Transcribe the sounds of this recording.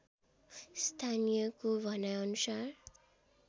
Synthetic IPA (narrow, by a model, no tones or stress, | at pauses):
st̪ʰanijʌkobʱʌnaʌnusar